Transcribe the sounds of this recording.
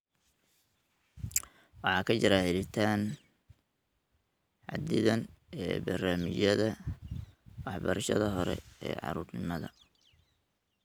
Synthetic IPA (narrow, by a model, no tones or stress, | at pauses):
wɑħɑːkʰɐt͡ʃɪɾaːhɛlɪt̪ʰaːn | ʕɑ̰d̪ɪðɐnɛːbɐrnaːmɪt͡ʃjɐðɐ | wɑħbɐɾɐʃɐðɐɦɔɾɛ̰ɛ̰ːʕɑ̰ɾuːrnɪmɐðɐ